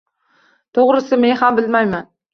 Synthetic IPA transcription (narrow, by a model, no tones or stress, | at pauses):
t̪ʰoʁɾɪsɪme̞nhambɪlmajman